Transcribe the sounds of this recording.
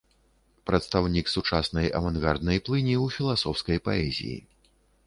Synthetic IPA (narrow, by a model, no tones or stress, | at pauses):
pɾɐt̪st̪awnʲiksut͡ʂasnɐjʔɐ̰vanɣard̪nɐjplˠɨnʲiwfʲilˠasɔwskɐjpaɛzʲḭjḭ